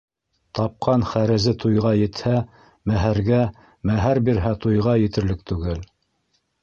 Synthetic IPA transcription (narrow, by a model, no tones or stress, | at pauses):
t̪ɑp̚qʰɑnχæɾɘ̆zɘt̪ujʁɑjɘ̆t̪hæ | mæɦæɾɡæ | mæɦæɾbiɾɦæt̪ujʁɑjɘ̆t̪ɘ̆ɾlɘk̚t̪ʉɡɘl